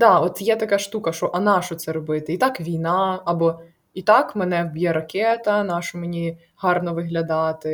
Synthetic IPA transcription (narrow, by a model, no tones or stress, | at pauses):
d̪ɑɔt̪jɛt̪ɐkɑʃt̪ukɐʃɔʔɐnɑʃɔt̪sɛɾɔbɪt̪ɪit̪ɑkʋʲijnɑɑbɔ | it̪ɑkmenɛwbʲjɛɾɐkʲɛt̪ɐnɑʃɔmenʲi | hɑrnɔʋɪɦlʲɐd̪ɑt̪ɪ